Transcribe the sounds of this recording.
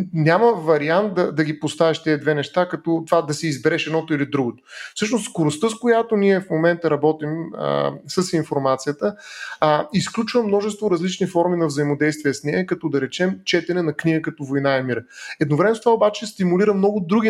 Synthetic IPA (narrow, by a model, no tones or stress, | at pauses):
nʲaməvɐɾiant̪̚d̪ɐd̪ɐɡipost̪avɛʃt̪ɛd̪vɛnɛʃt̪akɐt̪ɔt̪vad̪ɐsɛizbɛɾɛʃɛd̪nɔt̪ʊilid̪ɾuɡot̪o̥fsɤʃnost̪skoɾʊst̪əskojat̪oniɛfmomɛnt̪əɾɐbɔt̪imə̰səsinfoɾmat̪sijət̪ə | isklʲut͡ʃvəmːnɔʒɛst̪voɾɐzlit͡ʃnifɔɾminɐvzɐimod̪ɛjst̪viɛsnɛɐkɐt̪ɔd̪ɐɾɛt͡ʃɛmt͡ʃɛt̪ɛnɛnɐkniɡəkɐt̪ɔvojnaɛmiɾəɛd̪novɾɛmɛst̪ovaobat͡ʃɛst̪imuliɾəmnɔɡʊd̪ɾuɡʲi